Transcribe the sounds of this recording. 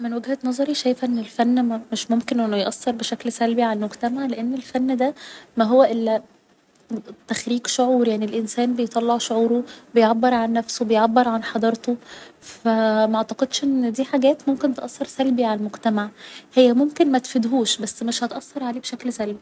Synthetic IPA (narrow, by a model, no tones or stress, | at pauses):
menwæɡhænɑzˤɑɾiʃæjfæʔenːelfænːmeʃmomkenʔenːojʔɑsːɑɾˤbeʃæklsælbiʕalælmoɡt̪æmaʕleʔenːelfænːd̪æmæɦowːæʔelːæ | t̪ːæxɾiːqʃoʕuːɾjaʕnilʔensæːnbejet̪ˤɑlːeʕʃoʕuːɾobejʕabːeɾˤʕanːæfsobejʕabːeɾˤʕanħɑd̪ˤɑɾˤt̪ofæmæʔaʕt̪ɑqed̪ʃʔenːd̪iːħaɡæːt̪momkent̪eʔɑsˤːɑɾˤsælbiʕalælmoɡt̪æmaʕhejːæmomkenmæt̪fed̪ɦuːʃbæsːmeʃhæt̪ʔɑsːɑɾˤʕaleːbeʃæklsælbi